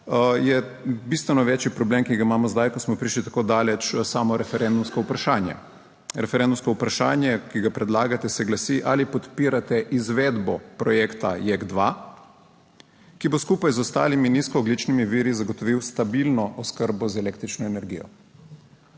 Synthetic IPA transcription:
jɛ | bist̪ʋɛnɔʋɛːt͡ʃjipɾɔbleːmkiɡaimaːmɔzd̪ajkɔsmɔpɾiʃlit̪akoːd̪aːlɛt͡ʃsaːmɔɾɛfɛɾɛnd̪umskɔupɾaʃaːnjɛ̰ | ɾɛfɛɾɛ̃nd̪umskɔupɾaʃaːnjɛkiɡapɾɛd̪laːɡat̪ɛsɛɡlasiʔalipɔt̪piːɾat̪ɛʔizʋɛːd̪bɔpɾɔjɛːkt̪a̰jɛɡd̪ʋa | kiboskuːpajzɔst̪a̰ːliminiskɔːɡlit͡ʃnimiʋiːɾizaɡɔt̪ɔʋiwst̪abilnɔʔɔskəɾbɔzɛleːkt̪ɾit͡ʃnɔɛnɛɾɡiːjɔ̰

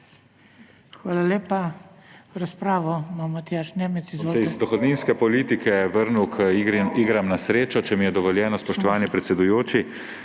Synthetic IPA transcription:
xʋaːlaleːpa | ɾaspɾaːʋɔmamat̪ijaːʃneːmɛt̪sizʋosɛizd̪ɔxɔd̪ninskɛpɔliːt̪ikʰɛʋəɾnukʰəiːɡɾamnasɾeːt͡ʃɔt͡ʃɛmijɛd̪ɔʋɔljɛːnɔspɔʃt̪ɔʋaːnipɾɛt̪sɛd̪ujoːt͡ʃi

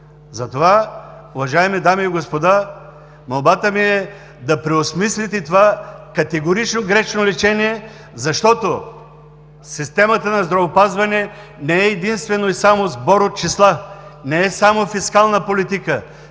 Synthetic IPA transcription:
zɐt̪ovaʊvɐʒaɛmid̪amiːɡospod̪a | mɐlˠbat̪əmiɛ | d̪ɐpɾɛosmislit̪ɛt̪ovakɐt̪ɛɡoɾit͡ʃnoɡɾɛt͡ʃnolɛt͡ʃɛniɛ | zɐʃt̪ɔt̪o | sist̪ɛmɐt̪ənɐzd̪ɾɐvopazvɐnɛ | nɛɛːd̪inst̪vɛnoisamozbɔɾot̪̚t͡ʃislˠanɛɛsamofiskalˠnəpolit̪ikə

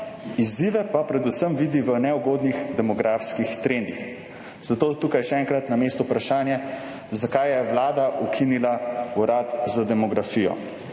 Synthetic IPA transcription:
iziʋɛpapɾɛd̪usəmʋiːd̪iʋənɛuɡoːd̪nixd̪ɛmɔɡɾaːfskixt̪ɾend̪ix | z̥at̪oːt̪ukajʃɛɛŋkɾat̪nameːst̪ɔpɾaʃaːnjɛ | zakajjɛʋlaːd̪aʔukʰinilauɾaːt̪zad̪ɛmɔɡɾafijɔ̰

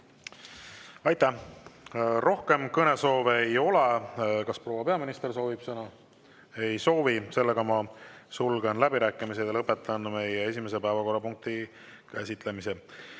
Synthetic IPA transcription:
ɑjt̪ːˑæh | ro̞hke̞mkɤne̞so̞ːvejo̞lekɑspro̞ːwɑpe̞ɑminist̪e̞rso̞ːvib̥sɤnɑ | e̞jso̞ːvise̞lːe̞ɡ̥ɑmɑsulɡ̥enlæbiɾæːkːˑimis̬ejɑlɤpːˑe̞t̪ːˑɑnme̞jee̞s̬ʲime̞s̬e̞pæevɑko̞rːɑpuŋk̚t̪i | kæsʲit̪le̞mise

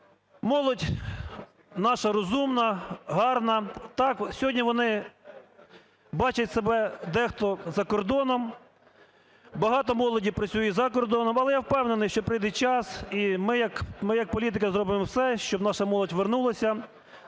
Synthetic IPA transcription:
mɔlˠɔdʲ | nɑʃɐɾɔzumnɐɦɑrnɐt̪ɑksʲɔɦɔdʲnʲiʋɔnɪ | bɑt͡ʃɐtʲsebɛd̪ɛxt̪ɔzɐkɔrd̪ɔnɔm | bɐɦɑt̪ɔmɔlˠɔdʲiwpɾɐt͡sʲujɛzɐkɔrd̪ɔnɔmɐlˠɛjawpɛwnenɪjʃt͡ʃɔpɾɪjd̪ɛt͡ʃɑsimɪjɐkmɪjɐk̚pɔlʲit̪̬ɪkɐzɾɔbɪmɔwsɛʃt͡ʃɔbnɑʃɐmɔlˠɔtʲʋernulˠɐsʲɐ

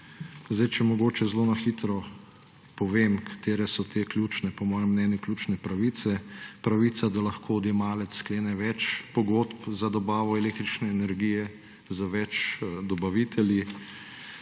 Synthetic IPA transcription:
zd̪ajt͡ʃɛmɔɡoːt͡ʃɛzloːnaxiːt̪ɾɔ | pɔʋeːmkʰḁt̪eːɾɛsɔt̪ʰeklʲjuːt͡ʃnɛpɔmɔːjɛmːnɛːnjʊklʲjuːt͡ʃnɛpɾaʋiːt̪sɛpɾaʋiːt̪sad̪alɐxkʰoːd̪jemaːlɛt̪sskleːnɛʋɛt͡ʃpɔɡot̪pzad̪ɔbaːʋɔɛleːk̚t̪ɾit͡ʃnɛːnɛɾɡijɛ | zaʋɛt͡ʃd̪ɔbaʋit̪ɛlji

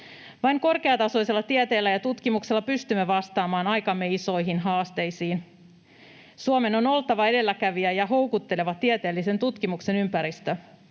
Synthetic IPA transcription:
ʋɑjŋko̞rke̞ɑt̪ɑso̞jse̞lːɑt̪iet̪e̞ːlːæjɑt̪ut̪kimukselːɑpyst̪ymːeʋɑst̪ɑːmɑːnɑjkɑmːeiso̞jɦinɦɑːst̪e̞jsiːn | suome̞no̞no̞lt̪ɑʋɑe̞de̞lːækæʋiæjɑɦo̞wkut̪ːe̞le̞ʋɑt̪iet̪e̞ːlːise̞nt̪ut̪kimukse̞nympæɾist̪ø

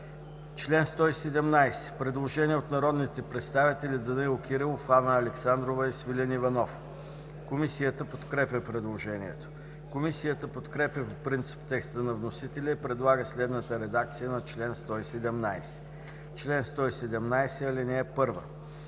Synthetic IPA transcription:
t͡ʃlɛnst̪ɔisɛd̪ɛmnajsɛ̥pɾɛd̪lˠoʒɛniɛot̪nɐɾɔd̪nit̪ɛpɾɛt̪st̪avit̪ɛlʲid̪ənɛiʊk̟iɾɛlˠfanəːlɛksand̪ɾovəisvilʲənivɐnɔf | komisijət̪əpot̪kɾɛpʲəpɾɛd̪lˠoʒɛniɛ̰t̪o̥ | komisijət̪əpot̪kɾɛpʲəpopɾint̪si̥pt̪ɛkst̪ənɐvnosit̪ɛlʲəipɾɛd̪lˠaɡəslɛd̪nət̪əɾɛd̪ak̚t̪sijənɐt͡ʃlɛnst̪ɔisɛd̪ɛmnajsɛ̥ | t͡ʃlɛnst̪ɔisɛd̪ɛmnajsɛɐlinɛɛpɤɾvə̰

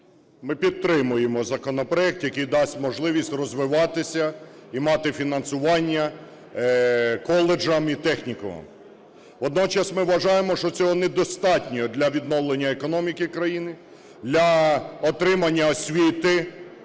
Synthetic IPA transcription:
mɪpʲit̪̚t̪ːɾɪmʊjemɔzɐkɔnɔpɾɔjɛk̚t̪jɐkejd̪ɑsʲtʲmɔʒlˠɪʋʲisʲtʲrɔzʋɪʋɑt̪ɪsʲɐimɑt̪ɪfʲinɐnsʊʋɑnʲːɐ | kɔlˠed͡ʒɐmit̪ɛxnʲikɔ̰ɐ̰m | ʋɔd̪nɔt͡ʃɐsmɪʋʋɐʒɑjemɔʃt͡ʃɔt͡sʲɔɦɔnɛd̪ɔst̪ɑtʲnʲɔɦɔd̪lʲɐʋʲid̪nɔʋlˠenʲːɐekɔnɔmʲikɪkɾɐjinɪ | d̪lʲɐɔt̪ɾɪmɐnʲːɐɔsʲʋʲit̪ɪ

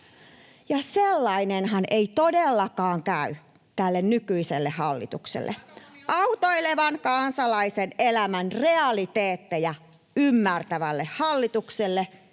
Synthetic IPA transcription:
jɑselːɑinenhɑnʔeit̪odelːɑkɑːŋkæy | t̪ælːennykyiselːehɑlːḭt̪uksḛlːʔḛʔɑut̪oileʋɑnkɑnsɑlɑisenelæmænreɑlit̪eːt̪ːejæ | ymːært̪æʋælːehhɑlːit̪ukselːe

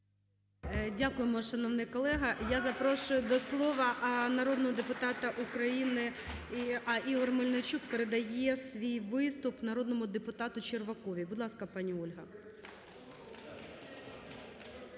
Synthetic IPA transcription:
dʲakʊjemɔʃɐnɔʋnɪjkɔlˠɛɦɐjazɐpɾɔʃʊjʊd̪ɔslˠɔʋɐʔnɐɾod̪nɔɦɔd̪epʊt̪ɑt̪ɐʔukɾɐjinɪiɐʔiɦɔrmɪlʲnɪt͡ʃʲukpeɾed̪ɐjɛsʋʲijʋɪst̪ʊpnɐɾɔd̪nɔmʊd̪epʊt̪ɑt̪ʊt͡ʃerʋɐkɔʋʲibʊd̪lˠɑskɐpɑnʲiɔlʲɦɐ

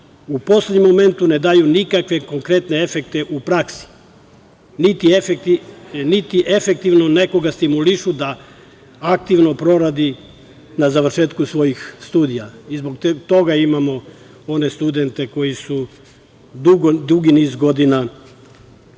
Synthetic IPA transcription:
upo̞sled̪ɲemome̞nt̪une̞d̪ajunikakʋe̞ko̞ŋkɾe̞t̪nee̞fe̞kt̪eʔupɾaksi̥ | nit̪ief | nit̪iʔefe̞k̚t̪iʋno̞ne̞ko̞ɡast̪imuliʃud̪a | ak̚t̪iʋno̞pɾo̞ɾad̪i | nazaʋr̩ʃe̞ːt̪kusʋo̞jixst̪uːd̪ijaizboɡt̪o̞ɡaimamo̞ | o̞ne̞st̪ud̪e̞nt̪e̞ko̞jisu | d̪uɡod̪uɡinizɡo̞d̪ina

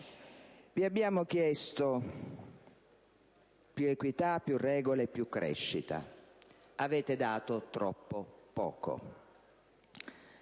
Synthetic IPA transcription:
viabːjaːmʊk̟jɛst̪o | pjuekwit̪apːjurːɛːɡoleːpːjukːɾɛ̰ʃːit̪a̰ | avɛːt̪ɪd̪aːt̪ʊt̪ɾɔpːopɔ̰ːko̰

